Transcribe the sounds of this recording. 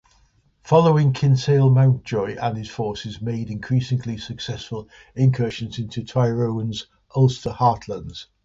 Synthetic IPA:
fɒloʊɪ̃ŋkʰɪ̃nseɪlˠmãʊ̃nd̥ʒ̥ɔɪʔə̃nɪz̥fɔˑsɪzmeɪdɪ̃nkʰɹ̥iˑsɪ̃ŋlisəksɛsfəl | ɪ̃ŋkʰɜɹɪʃə̃nsɪ̃ntutʰaɪɹoʊə̃nz | ʔəlˠstəhɑˑʔʰlə̃ndz̥

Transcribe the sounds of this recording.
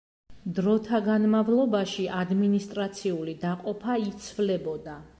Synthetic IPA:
d̪ɾɔt̪ʰaɡanmavlˠɔbaʃiʔad̪minist̪ʼɾat̪sʰiulid̪aqʼɔpʰait̪sʰvlɛbɔd̪a

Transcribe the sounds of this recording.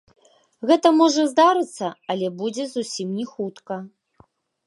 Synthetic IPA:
ɣɛt̪ɐmɔʐɐzd̪aɾɨt̪sːɐɐlʲɛbud͡zʲɛzusʲimnʲɛxut̪kɐ

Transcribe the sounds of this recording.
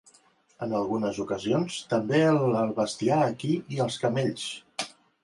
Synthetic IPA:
ənəlˠɣunəzukəzionst̪əmbeəlˠəlˠβəst̪iaəkiiəlˠskəmeʎs

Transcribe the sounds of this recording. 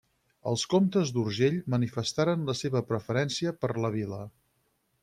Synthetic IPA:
ə̰lˠskomt̪əzd̪uɾʒeʎmənifəst̪aɾənləseβəpɾəfəɾɛnsiəpəɾləβ̞ilə

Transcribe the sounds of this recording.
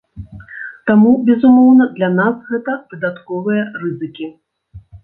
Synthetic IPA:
t̪amubʲɛzumɔwnɐd̪lʲanasɣɛt̪ɐvɨd̪at̪kɔvɨjɐrɨzɨkʲi

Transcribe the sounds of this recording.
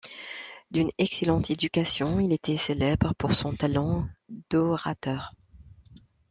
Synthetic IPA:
d̪ynɛkselɑ̃t̪ʰed̪ykasjɔ̃ilet̪ɛselɛbʁəpuʁsɔ̃t̪alɑ̃d̪̥ɔʁat̪œːʁ

